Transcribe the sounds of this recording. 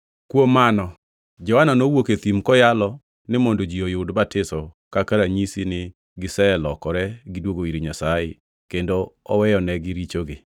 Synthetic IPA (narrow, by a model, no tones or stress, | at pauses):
kwomanɔ | d͡ʒɔwananowoket̪imkɔjalɔ | nɪmɔndod͡ʒiojʊdbatɪsɔ | kakaɾaɲisinɪ | ɡɪsɛlɔkɔɾɛɡɪdwoɡoiɾiɲasajɪ̰ | kendoɔwɛjɔnɛɡɪɾit͡ʃoɡɪ